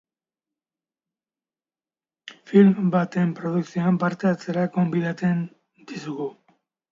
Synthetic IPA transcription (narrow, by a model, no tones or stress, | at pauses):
filmbat̪e̞mpɾo̞ðuksioampaɾt̪eat͡se̞ɾako̞mbiðat͡se̞n | d̪isuɣu